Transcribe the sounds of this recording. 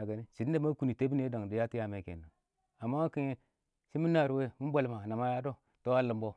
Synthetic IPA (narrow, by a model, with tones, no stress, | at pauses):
a˨ɡa˨ni˦si˨dde˦ma˦ku˨ni˨te˦bi˦ne˦da˨ŋdi˨ja˦ti˦ja˨me˨kḛ˨na˨ | a˨mːa˦ki˦je˦ | si˦mi˦na˨ɾwe˦mi˦m˦bʷa˨lma˨na˨ma˦ja˦do˦ | to˦a˦lə˨mbo˦